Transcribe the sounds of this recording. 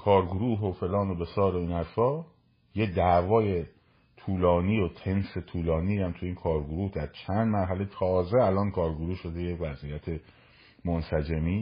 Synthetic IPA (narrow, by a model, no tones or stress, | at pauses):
kʰɒːɾɡoɾuːɦo̞fe̞lɒːno̞be̞sɒːɾo̞iːnhæɾfɒː | jed̪æːvɒːje̞ | t̪ʰuːlɒːniːot̪ʰe̞nse̞t̪ʰuːlɒːniːhæmt̪ʰuiːnkʰɒːɾɡoɾuːhd̪æɾt͡ʃʰænd̪mæɾɦælet̪ʰɒːze̞ælɒːnkʰɒːɾɡoɾuːʃo̞d̪ejevæzijæt̪ʰe̞ | monsæd͡ʒemiː